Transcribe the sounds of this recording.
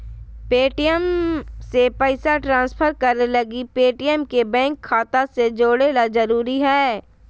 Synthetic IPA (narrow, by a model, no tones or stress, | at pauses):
peːʈijəmsepəɪsaʈɾãːnspʰəɾkɐɾnelɐɡipeːʈijəmkebɛ̃ːŋkʰːaːt̪ased͡ʒoːɽeːlad͡ʒɐɾuːɾiɦɛː